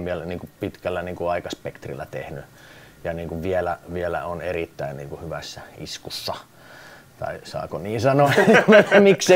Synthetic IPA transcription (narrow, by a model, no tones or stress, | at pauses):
ʋielniːŋkupit̪kælːæniːŋkuɑikɑspekt̪rilːæt̪ḛhny | jɑniːŋkuʋʋielæʋielæ̰onerit̪ːæinnḭːŋkuhyʋæsːæḭskusːɑ | t̪ɑ̰isɑ̰ːkoniːnsɑnoemikse